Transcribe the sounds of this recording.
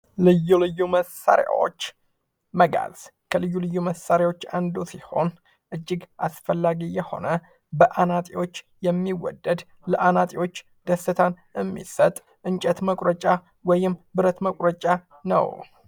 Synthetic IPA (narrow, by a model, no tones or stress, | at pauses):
lɨjːulɨjːuməsa̰ɾja̰wo̰t͡ʃː | məɡa̰z̥kʰəlɨjːulɨjːuməsaɾjawo̞t͡ʃːand̪usiho̞n | ʔɨd͡ʒːɪɡʔasfəlːaɡijɛho̞̰nə | bəʔanat̪ʼiwo̞t͡ʃː | jɛmːiwɔ̰d̪ːəd̪ | ləʔanat̪ʼiwo̞t͡ʃː | d̪̥əsːɨt̪ʰan | ɛmːḭsət̪ʼ | ʔɨnt͡ʃʼət̪məkʼɾət͡ʃʼa | wɔjɪmbɨɾət̪məkʼɾət͡ʃʼa | nə̰w